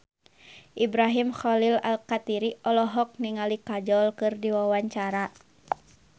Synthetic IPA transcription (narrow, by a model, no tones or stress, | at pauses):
ʔibɾaɦimxɔlila̰lkat̪iɾiɔlɔɦɔk̚niŋalikad͡ʒɔlkɨrdiwawaɲt͡ʃaɾa